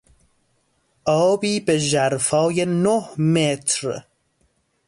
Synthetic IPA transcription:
ɔːbiːbeʒaɾfɔːjenohmet̪ʰɾ

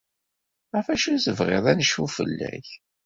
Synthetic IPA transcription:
æfæʃæsəvʁḛðˤænəʃufə̰lːæ̰ç

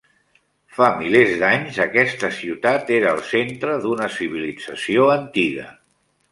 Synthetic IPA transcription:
familezd̪aɲzəkɛst̪əsiwt̪at̪eɾəːlˠsent̪ɾəðunəsiβ̞ilid͡zəsioənt̪iɣə̰

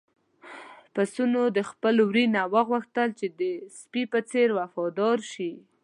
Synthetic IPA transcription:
pasunod̪əxpəlwɾinawəɣwəxt̪əlt͡ʃed̪əspipət͡seɾwafɑd̪ɑɾʃi

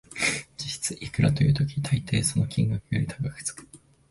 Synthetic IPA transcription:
d͡ʑiɕi̥t͡sɨʔikɯ̟ɾat̪o̞jɯ̟ːt̪o̞kʲi̥t̪ʰait̪e̞ːso̞no̞kʲĩŋɡakɯjo̞ɾʲit̪ʰaɡakɯ̟̥t͡sɨ̥kɯ̥

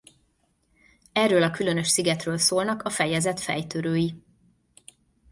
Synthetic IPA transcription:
ɛrːøːlɒkylø̞nø̞ʃsiɡɛt̪røːlsoːlnɒkɒfɛjɛzɛt̪fɛ̰jt̪øɾøːji

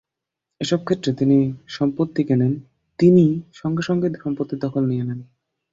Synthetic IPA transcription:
eʃɔb̚kʰet̪ːɾet̪iniʃɔmpot̪ːikenen | t̪iniʃɔŋɡeʃɔŋɡeʃɔmpot̪ːid̪ɔkʰolnijenen

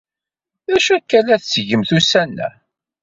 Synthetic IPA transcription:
ðæʃækːælæθsʝəmθusænːæ̰

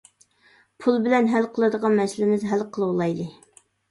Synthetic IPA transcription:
pʰulˠbɪlɛnɦælqʰəlˠɨd̪əʁɑnmɛslɪmɪzɦælqʰəlˠɨwlˠɑjd̪ɨ

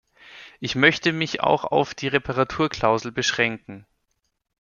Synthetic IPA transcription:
ʔɪçmœçtəmɪça̰ʊxa̰ʊfd̥iːʁepʰaʁatʰuːɐkʰl̥aʊzl̩bəʃʁ̥ɛŋkŋ̩

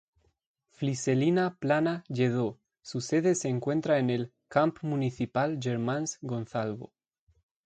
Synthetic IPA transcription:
fliselinaplanaʝeð̞o | suseðeseːŋkwe̞nt̪ɾaene̞lkampmuniθipalʝeɾmãnsɡo̞nθalβo̰

